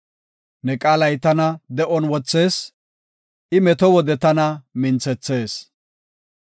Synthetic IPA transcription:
nɛkʼaːlɐjt̪ɐnɐd̪ɛʔɔnwɔt͡sːe̞ːs | ʔɪmɛt̪ɔwɔd̪ɛt̪ɐnɐmɪnt͡sɛt͡sːe̞ːs

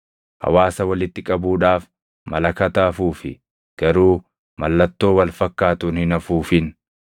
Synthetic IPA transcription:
hɐ̰waːsɐwɐlɪt̪ːɪkʼɐbuːᶑaːf | mɐlɐkɐt̪aːfuːfɪ̰ | ɡ̥ɐɾuː | mɐlːɐt̪ːo̞ːwɐlfɐkːaːt̪ʊːnhɪnɐfuːfɪn

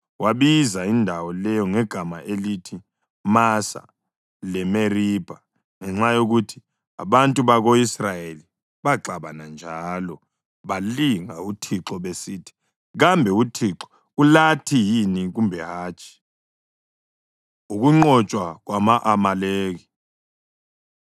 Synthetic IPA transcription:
waβizaindʱawɔlɛjɔŋɛɡ̥ʱamaʔelitʰi | masa̰ | lɛmeriːb̥ʱa | ŋɛŋ͡ǁajoɣutʰi̥ | a̰βantʼuβaɣoisrajeli | βaǁaβanand͡ʒʱaːlɔ | βaliŋautʰiǁɔβesiːtʰi̥ | ɣambʱɛutʰiǁɔ̥ | ulatʰijiniɣumbʱɛɦaːt͡ʃʰʼi̥ | uɣuŋ͡ǃɔt͡ʃʼwaɣwamaʔamaleːɣi

